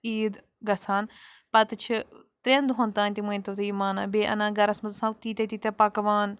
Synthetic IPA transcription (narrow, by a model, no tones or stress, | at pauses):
iːd̪ | ɡɐsaːnpɐt̪ɨt͡ʃʰit̪ɾend̪ɦõnt̪aːnʲt̪imuj̃nt̪ot̪iimaːnaːbeːʔɐ̰nãːɡɐɾɐsmɐzsɐ̃lt̪iːt̪et̪it̪epɐkʋaːn